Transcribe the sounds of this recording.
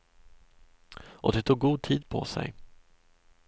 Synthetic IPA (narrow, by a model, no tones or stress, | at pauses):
ʔɔd̪ɛt̪ʰuːɡ̚ɡuːd̪̚t̪ʰiːd̪̚pʰɔ̰sɛ̰j